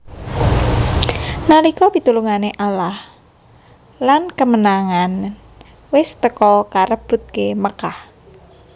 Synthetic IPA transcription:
nalikɔpit̪uluŋaneʔalah | lankəmənaŋan | wɪst̪əkɔkaɾəb̥ʊ̤t̪̚keməkah

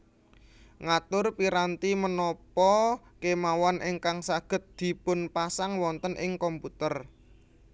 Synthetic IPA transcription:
ŋat̪ʊrpiɾant̪imənɔpɔkemawanʔɪŋkaŋsaɡ̥ə̤t̪̚d̪̥i̤pʊnpasaŋwɔnt̪ənʔɪŋkɔmput̪ər

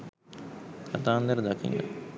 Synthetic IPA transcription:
kʰat̪aːnd̪əɾəd̪akḭnːə̰

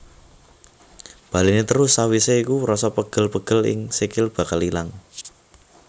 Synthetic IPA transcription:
b̥ä̤linet̪əɾʊsːawiseikurɔsɔpəɡ̥ə̤lpəɡ̥ə̤lɪ̰ŋsikɪlb̥a̤kalilaŋ

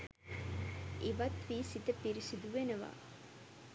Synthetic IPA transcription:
iʋɐt̪ʋiːsit̪əpiɾisid̪uʋenəʋa̰ː

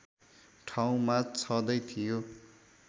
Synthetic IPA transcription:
ʈʰaw̃mat͡sʰʌd̪ʌjt̪ʰijo

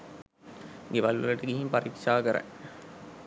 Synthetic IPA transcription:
ɡeʋalʋələʈəɡiɦimpaɾikʂaːkəɾæ̰

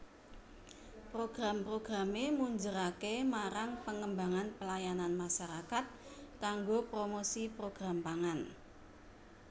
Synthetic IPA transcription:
pɾoɡ̥ɾampɾoɡ̥ɾamemuɲd͡ʒəɾakemaɾaŋpəŋəmbaŋanpəlajananmaʃaɾakat̪̚kaŋɡopɾomosipɾoɡ̥ɾampaŋan

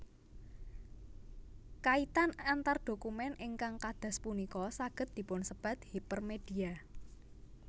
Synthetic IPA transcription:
kait̪anant̪ard̪̥o̤kumɛnʔɪŋkaŋkad̪̥a̤spunikɔsaɡ̥ə̤t̪̚d̪̥i̤pʊnsəb̥a̤t̪̚hipərmed̥i̤a

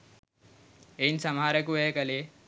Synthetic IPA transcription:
ensɐmaɾɐkuʋekɐle

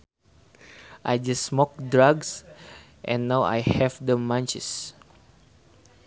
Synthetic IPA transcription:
ʔajd͡ʒasːmɔk̚dɹaɡs | ʔɛ̃nːawa̰jhɛvdəmãnt͡ʃɛ̰s

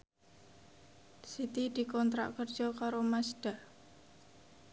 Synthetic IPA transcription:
sit̪id̪̥i̤kɔnt̪ɾa̰ʔkərd͡ʒ̥ɔkaɾomasɖ̥a̤

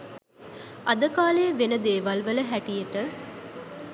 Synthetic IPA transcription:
ad̪əkaːleəʋenəd̪eːʋalʋələɦæʈijəʈə

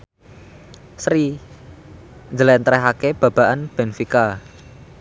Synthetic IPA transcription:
sɾi | nd͡ʒəlɛnt̪ɾɛɦakeb̥ä̤b̥a̤ʔanb̥ɛ̤nfika

